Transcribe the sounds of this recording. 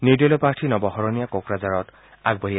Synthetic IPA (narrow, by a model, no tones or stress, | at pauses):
nidɔlɔpaɹtʰinɔbɔhɔɹɔnijakokɹazaɹɔt | aɡ̚bɔɹija